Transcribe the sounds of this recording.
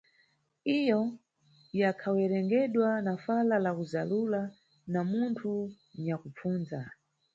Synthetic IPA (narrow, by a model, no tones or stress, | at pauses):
ijɔ | jakʰawɛɾɛŋɡɛɗwanafalalakuzalula | namuntʰu | ɲakup͡fuːnza